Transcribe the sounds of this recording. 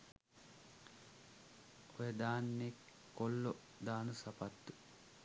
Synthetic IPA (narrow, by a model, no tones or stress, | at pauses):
ojəd̪aːnːekː | olːo | d̪aːnusapat̪ːu̥